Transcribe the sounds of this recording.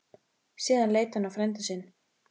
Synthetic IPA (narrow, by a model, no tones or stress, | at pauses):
siːðanleːjt̪hanːawfɾɛnt̪̬ʏsɪnː